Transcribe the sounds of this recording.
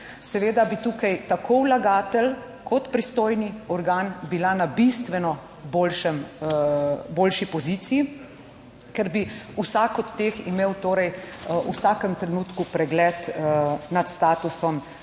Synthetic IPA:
sɛʋeːd̪abit̪uːkajt̪akʰowlaɡaːt̪ɛl | kʰɔt̪pɾist̪oːjniɔɾɡaːnbilanabist̪ʋɛnɔ | boːlʃɛm | boːlʃipɔziːt̪siji | kɛɾbiusakɔt̪ːeximeːwt̪oːɾɛjṵsaːkɛmt̪ɾɛnuːt̪kupɾɛɡlɛːt̪nat̪st̪aːt̪usɔm

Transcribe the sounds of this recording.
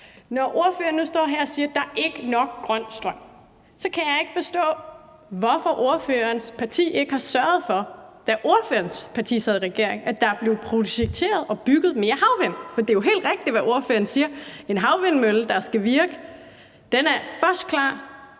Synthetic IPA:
nɒʔo̝ɐføːɐnːusd̥ɒ̰ːɦæɐ̰ɒsiːɐd̥ɑ̈ɐʔe̝ɡ̥ənɒ̽ɡ̥ɡ̥ʁɶn̰sd̥ʁɶm̰ | sɒ̽kʰæjɑ̈ɪe̝ɡ̥fɒ̽sd̥ɔ̰̽ː | ʋɒfɒ̽ʔo̝ɐføːɐnspʰɑ̈t͡sʰḭːe̝ɡ̥əhɑ̈sɶɐð̩ˠfɒ̽d̥æʔo̝ɐføːɐnspʰɑ̈t͡sʰḭːsɛð̞̩ˠʁɛɡ̥e̝ɐeŋæd̥ɑ̈ɐb̥le̝ʊpʰʁo̝ɕeɡ̥̚t͡sʰe̝̰ːɐðˠɒ̽b̥yɡ̥ð̞̩ˠme̝ːɐhɑ̈ʊʋen̰fɒ̽d̥e̝jo̝ɦe̝̰ːld̥ʁeɡ̥̚d̥iʋæʔo̝ɐføːɐnsiːɐe̝nɦɑ̈ʊʋen̰møl̩d̥ɑ̈sɡ̥æʋiɐɡ̥ə | d̥enæɐfɶɐsd̥̚kʰlɑ̰̈ː

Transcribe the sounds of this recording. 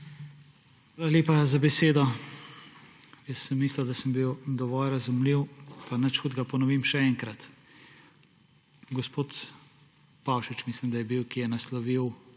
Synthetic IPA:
xʋaːlaleːpazabɛseːd̪ɔ | jəsːəmːiːslad̪asəmbiwd̪ɔʋɔlɾazumliwpanət͡ʃxud̪ɡapɔnɔʋimʃɛɛŋkɾat̪ | ɡɔspoːt̪ | pawʃit͡ʃmislimd̪ajɛbiwkijɛnaslɔʋiw

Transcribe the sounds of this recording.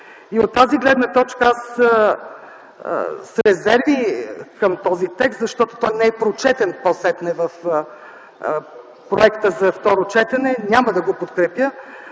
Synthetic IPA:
iot̪ːaziɡlɛd̪nət̪ɔt͡ʃkəas | sɾɛzɛɾvikəmt̪ɔzit̪ɛkst̪zɐʃt̪ɔt̪o̥t̪ɔjnɛɛpɾot͡ʃɛt̪ɛnpɔsɛt̪nɛvəf | pɾoɛkt̪əzɐft̪ɔɾot͡ʃɛt̪ɐnɛnʲaməd̪ɐɡopot̪kɾɛpjə

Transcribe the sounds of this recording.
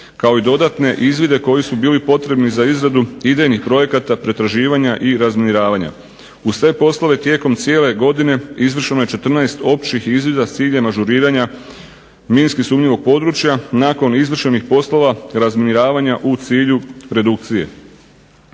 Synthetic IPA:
kao̞id̪o̞d̪at̪ne̞ʔizʋid̪e̞ko̞jisubiːlipo̞t̪ɾe̞bnizaizɾad̪uid̪ejnixpɾo̞je̞kat̪apɾe̞t̪ɾaʒiːʋaɲaʔiɾazminiɾaːʋaɲa̰ | usʋe̞po̞slo̞ʋe̞t̪je̞ko̞mt̪sije̞le̞ɡo̞d̪ine̞izʋr̩ʃeno̞je̞t͡ʃe̞t̪r̩naest̪o̞p̚t͡ʃixizʋid̪at̪siːʎemaʒuɾiːɾaɲa | minskisuːmɲiʋo̞ɡ̚po̞d̪ɾut͡ʃjanako̞nizʋr̩ʃe̞nixpo̞slo̞ʋaɾazminiɾaːʋaɲaʔut̪siːʎuɾe̞d̪uk̚t̪sije̞̰

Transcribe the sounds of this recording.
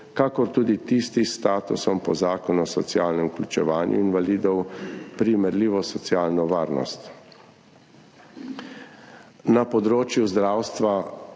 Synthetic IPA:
kakɔɾt̪uːd̪it̪ist̪ist̪aːt̪usɔmpɔzaːkɔnɔsɔt̪sjaːlnɛmuklʲut͡ʃɛʋaːnjʔṵinʋaliːd̪ɔwpɾimɛɾliːʋɔsɔsjaːlnɔʋaːɾnɔ̰st̪ | napɔd̪ɾoːt͡ʃjuzd̪ɾawst̪ʋa

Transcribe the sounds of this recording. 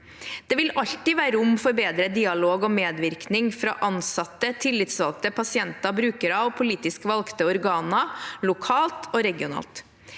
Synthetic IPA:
d̪̥ɛʋɪlɑʎt̪ɪʋæːɾəʊmfɔɾbeːd̪ɾəd̪iːɑloːɡɔmeːd̪ʋɪɾknɪŋfɾɑ̰ːʔɑnsɑt̪ːət̪ʰɪlːɪt̪sʋɑlk̚t̪əpʰɑsɪɛnt̪ɑbɾʉːkəɾɑʋpʰʊliːt̪ɪskʋɑlkt̪əɔɾɡɑːnɑlʊkʰɑːlt̪ʰoːɾɛɡɪʊnɑ̰ːlt̪

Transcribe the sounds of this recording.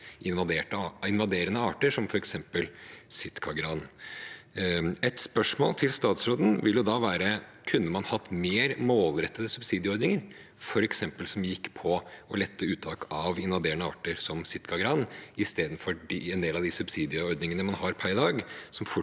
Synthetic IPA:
ɪnʋɑd̪eːʈːɪnʋɑd̪eːɾənəɑ̰ːʈəʂɔmfɔɾɛksɛmpəlsɪt̪kʰɑɡɾɑːn | ɛt̪spœʂmo̰ːlt̪ʰɪlst̪ɑːt̪sɾoːd̪n̩ʋɪljʊd̪ɑːʋæːɾəkʰʉnːəmɑnhɑt̪ːmeːɾmoːlɾɛt̪ːəd̪əsʉbsiːd̪ɪɔɾd̪nɪŋəɾ | fɔɾɛksɛmpəlsɔmjɪkːpʰɔɔlɛt̪ʰːəʉːt̪ʰɑːkʰɑʋɪnʋɑd̪eːɾəɳnəɑ̰ːʈəɾsɔmsɪt̪kʰɑɡɾɑnɪst̪eːd̪nfɔɖiɛnd̪eːlɑʋd̪ɪsʉbsiːd̪ɪɔɾd̪nɪŋənəmɑnhɑɾpʰæɾɪd̪ɑːɡsɔmfʊ

